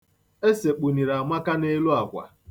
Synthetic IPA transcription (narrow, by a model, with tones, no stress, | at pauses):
e˦se˨k͡pu˨ni˨ɾa˨ma˦ka˦ne˦lu˦a˨kʷa̰˨